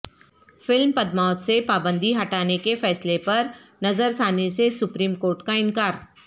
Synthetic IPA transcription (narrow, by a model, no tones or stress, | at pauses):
fɪlmpɐd̪maːt̪sepaːbə̃nd̪iɦɐʈaːnekefɛːslepɐɾnɐzəɾsaːnesesʊpɾiːmkoːɾʈkaɪ̃ŋkaːɾ